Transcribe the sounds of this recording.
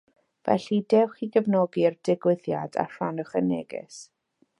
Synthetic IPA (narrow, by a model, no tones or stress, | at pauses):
vɛ̰ɬidɛwχiɡəvnɔɡird̥ɪɡwɪðja̰da̰r̥anʊχəneɡɪ̰s